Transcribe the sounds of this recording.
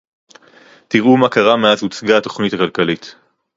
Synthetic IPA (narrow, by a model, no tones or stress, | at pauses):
tiʁumakaʁameazut͡sɡaːto̞χnitakalkalit